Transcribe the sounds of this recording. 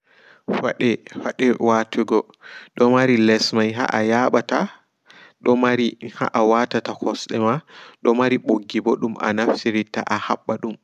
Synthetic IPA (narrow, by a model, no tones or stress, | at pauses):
faɗɛfaɗɛwatuɡɔ | ɗɔmaɾilɛsmajɦa̰ʔajaɓata | ɗɔmaɾiha̰ʔawatatakʰɔsɗɛmaɗɔmaɾiɓoɡːibɔɗumʔa̰naftiɾita̰ʔahaɓːaɗum